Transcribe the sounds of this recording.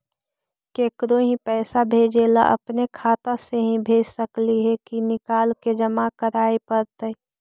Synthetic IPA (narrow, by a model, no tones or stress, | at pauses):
keːkɾoɦĩpɛːsabʱeːd͡ʒeːla̰ʔɐ̰pnekʰaːt̪ãseɦĩbʱeːd͡ʒsɐkliɦɛkinɪkaːlked͡ʒɐmakəɾaːepɐɾt̪əe